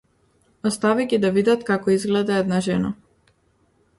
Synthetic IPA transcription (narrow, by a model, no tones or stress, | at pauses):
ɔst̪aviɡʲid̪avid̪at̪kakɔizɡlɛd̪aɛd̪naʒɛna̰